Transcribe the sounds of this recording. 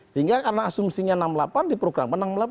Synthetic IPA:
səɦiŋɡakarənaːsumsiɲanamlapandipɾoɡɾa̰manaŋmla

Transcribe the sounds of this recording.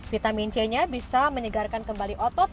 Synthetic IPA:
fit̪amint͡ʃɛɲabisaməɲəɡarkankəmbaliʔɔt̪ɔt̪̚

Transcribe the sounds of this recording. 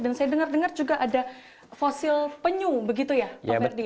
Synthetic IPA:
dansajadəŋardəŋard͡ʒuɡaʔada | fosɪlpəɲubəɡit̪ujaardi

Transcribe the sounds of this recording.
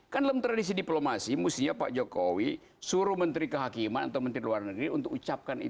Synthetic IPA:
kandalamt̪ɾadis̬idiplomasimust̪iɲapa̰ʔd͡ʒokowi | suɾuhmənt̪ɾikəɦakimana̰t̪awmənt̪ɾiluarnəɡɾiunt̪ʊkut͡ʃap̚kanḭ

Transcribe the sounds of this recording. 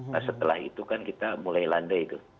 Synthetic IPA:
asət̪əlahḭt̪ukankit̪amulajlandait̪u

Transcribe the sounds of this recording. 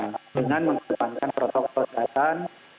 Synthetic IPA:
dəŋanməŋkimankanpɾɔt̪ɔkɔldat̪an

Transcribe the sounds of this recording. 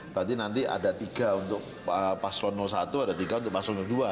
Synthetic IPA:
bəɾant̪̬inant̪ia̰dat̪iɡaunt̪ʊk̚ | əpaslɔnːɔlsat̪uadat̪iɡaunt̪ʊk̚paslɔnuldua

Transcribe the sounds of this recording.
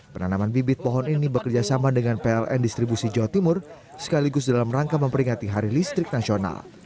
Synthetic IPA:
pənanamanbibɪt̪̚pɔɦɔninibəkərd͡ʒasamadəŋanpeɛlʔɛ̰ndist̪ɾibusid͡ʒawat̪imʊr | sə̥kaliɡʊsdalamraŋkaməmpəɾiŋat̪iɦaɾilist̪ɾɪk̚nasiona̰l

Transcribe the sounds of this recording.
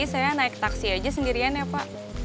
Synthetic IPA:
isajanaɪk̚t̪aksiad͡ʒasəndiɾianjapaʔ

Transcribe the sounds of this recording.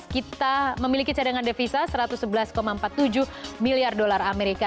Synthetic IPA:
kit̪aməmilikit͡ʃadaŋandefisasəɾat̪usəbəlaskomampat̪ːud͡ʒuhmiliardolarameɾika

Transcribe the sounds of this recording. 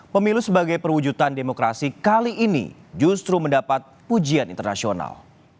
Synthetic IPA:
pəmilusəbaɡajpərwud͡ʒut̪andemokɾa̰sikaliʔːnḭd͡ʒust̪ɾuməndapat̪̚pud͡ʒianint̪ərnasiona̰l

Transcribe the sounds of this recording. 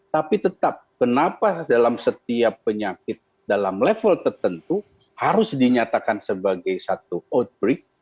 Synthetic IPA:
t̪apit̪ət̪ap̚kənapadalamsət̪̚iapːəɲakɪt̪̚ | dalamlefəlt̪ərt̪ənt̪u | haɾʊsdiɲat̪akansəbaɡajsat̪uot̪̚bɾɪk̚

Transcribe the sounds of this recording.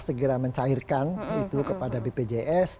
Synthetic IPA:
səɡəɾaməɲt͡ʃairkanit̪ukəpadabeped͡ʒeʔɛs

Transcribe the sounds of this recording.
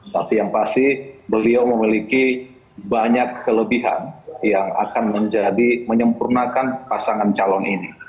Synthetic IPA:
t̪apijaŋpastihbəliawməmiliki | baɲakʰːələbiɦa̰njaŋa̰kanməɲd͡ʒadiməɲəmpurnakanpasaŋant͡ʃalɔnʔini

